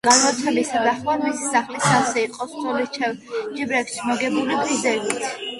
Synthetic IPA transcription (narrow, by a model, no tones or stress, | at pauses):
ɡ̥anɔt̪sʰɛlisad̪aχwamisi̥saχlisasɛiqʼɔskʰʼɔlit͡ʃʰɛd͡ʒibɾɛksʃʰmɔɡɛbulip̪ʼizɛɡit̪ʰ